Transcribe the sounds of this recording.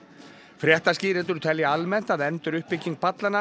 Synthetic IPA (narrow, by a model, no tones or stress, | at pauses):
fɾjɛht̪asciːɾɪnt̪ʏɾt̪ʰɛljaalmɛn̥t̪aðɛnt̪ʏɾʏhpɪcːiŋk̚pʰat̪lana